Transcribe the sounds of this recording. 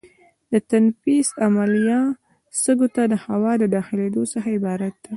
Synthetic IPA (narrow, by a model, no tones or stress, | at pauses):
d̪̥ət̪anfisamalijɑ | st̪əɡot̪ad̪əhawɑd̪əd̪ɑxɪled̪osaxaɪbɑɾat̪̚d̪̥a